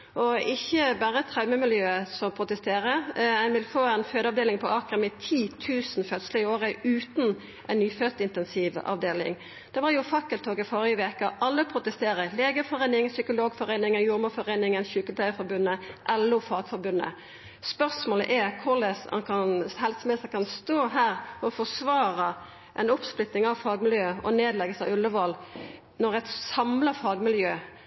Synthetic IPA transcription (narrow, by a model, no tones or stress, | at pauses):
ʔɔɪçːəbæːɾət̪ʰʁɑʉməmɪljøːəsɔmpʰʁʊt̪əst̪eːɾəænʋɪlfoːɛɪnføːd̪əɑʋd̪eːlɪŋpʰɔɑːkʁəmɪt̪ʰiːt̪ʰʉːsn̩fœt̪sləɪoːɾəʉːt̪n | ʔæɪnnyːfœt̪ɪnt̪ɛnsiːʋɑ̰ʋd̪eːlɪ̰ŋ | d̪̥ɛʋɑɾjʊfɑkːəlt̪ʰːoːɡəfoːʁjəʋeːkɑʔɑlːəpʰʁʊt̪əst̪eːɾəleːɡəɾfɔɾeːnɪŋsʏkʊloːɡfɔʁeːnɪŋənjuːɾmɔfɔʁeːnɪŋənçʉːkəlp̪ʰlæɪfɔɾbʉnːəʔɛlːʊfɑːɡfɔɾbʉnːə̰ | spœʁsmoːlə̰ʔɛɾkʰʊlɛsɑ̰nkʰɑnhɛlsmɛsɛkʰɑnst̪oːɦæːʁfɔɔfɔsʋɑːɾɑ | ʔɛnʊpsplʏt̪nɪŋɑʋfɑːɡmɪljøːɔneːd̪lɛɡəsɑʋʉlːəʋɔl | nɔʁɛt̪sɑmləfɑːɡmɪljøː